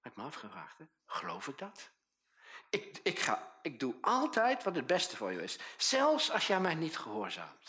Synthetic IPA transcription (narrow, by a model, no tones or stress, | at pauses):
ɛpməɑfχəvra̰ːχtɛ | χəlowfɪɡ̚dɑt | ɪk̚ɪkχa̰ːɪɡ̚duʔɑlˠtɛjtʋɑtəd̚bɛstəvʊːɹjə̰ɪssɛlˠfsɑlˠsjəaːnmɛjnitχəɦʊːɹza̰ːmt